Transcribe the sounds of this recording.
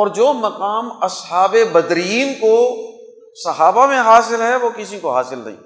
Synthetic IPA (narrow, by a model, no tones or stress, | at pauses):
ɔːɾd͡ʒoːmɐqaːmɐsɦaːbebɐd̪ɾiːnko | sɐɦaːbamẽɦaːsɪlɦɛʋokɪsikoɦaːsɪlnɐ̰ɦḭ̃ː